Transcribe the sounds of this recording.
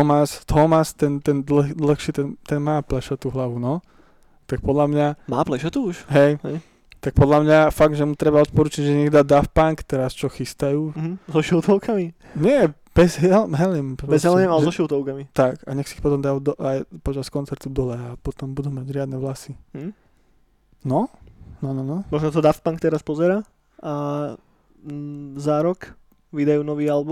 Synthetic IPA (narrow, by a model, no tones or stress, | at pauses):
ɔmast̪ɔmast̪ɛnt̪ɛnd̪ld̪l̩xʃit̪ɛnt̪ɛnmaːplɛʃɔt̪uɦlaʋunɔ | t̪ak̚pɔd̪lamɲama̰ːplɛʃɔt̪uuʃɦɛjɦɛj | t̪ak̚pɔd̪lamɲafaɡ̚d̪ʒɛmut̪ɾɛbaɔt̪̚pɔɾuːt͡ʃiɟʒɛɲɛɡd̪ad̪afpaŋkt̪ɛɾast͡ʃɔxist̪ajuːzɔʃuʊt̪ɔʊkʰami | ɲɪɛ | b̥ɛzɦɛlmɦɛlimpɾɔbɛzɦɛlimalɛzzɔʃuʊt̪ɔʊkamit̪akaɲɛxsiːxpɔt̪ɔmd̪ad̪ɔʔajpɔt͡ʃaskɔnt͡sɛɾt̪ud̪ɔlɛapɔt̪ɔmbud̪umaɟɾɪad̪nɛʋlasiɦ̩ | nɔnɔnɔnɔmɔʒnat̪ɔd̪aft̪paŋkt̪ɛɾaspɔzɛɾaː | a | zaɾɔk | ʋid̪ajuːnɔʋiːalbu